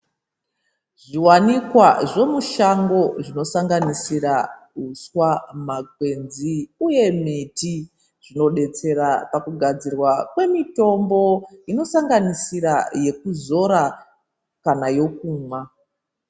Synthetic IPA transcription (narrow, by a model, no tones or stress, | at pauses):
ʐiwanikwaʐo̞muʃaŋɡo̞ʐino̞saŋɡanisiɾauswamaɡʱwe̞nziuje̞miti | ʐ̥ino̞ɗe̞t͡se̞ɾapakuɡʱad͡zirwakwe̞mito̞mbo̞ino̞saŋɡanisiɾaje̞kuzo̞ɾa | kanajo̞kuːma